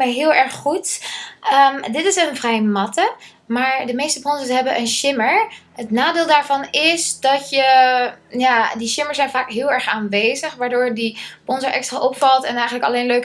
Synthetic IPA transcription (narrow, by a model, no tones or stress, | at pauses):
ɛjɦɪːlˠɛɹχχutədɪtɪsənvrɛjmɑtə | maːɹdəmejstəpɔnzəsɦɛbəʔənʃɪməɹɦətnaːdɪːlˠdaːɹvɑnɪsdɑtjə | jaːdiʃɪməɹzɛjnvaːkɦɪːlˠɛɹχaːnʋejzəχʋaːɹdʊːɹdipɔnzəɹʔɛkstraːʔɔpfɑlˠtɛnɛjχənləkɑlejnløɥk